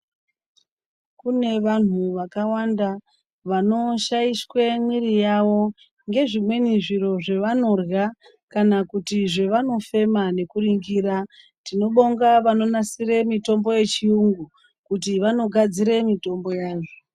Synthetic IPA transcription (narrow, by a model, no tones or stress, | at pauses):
kune̞ʋan̤uʋakawanda | ʋano̞ʃajiswe̞mwirijaʋo̞ | ŋɡe̞ʐimwe̞niʐiɾo̞ʐe̞ʋano̞rɣa | kanakutiʐe̞ʋano̞fe̞mane̞kuriŋɡiːɾa | tino̞ɓo̞ŋɡaʋano̞nasire̞mito̞mbo̞je̞t͡ʃiuŋɡu | kutiʋano̞ɡʱad͡ziɾe̞mito̞mbo̞jaːʐo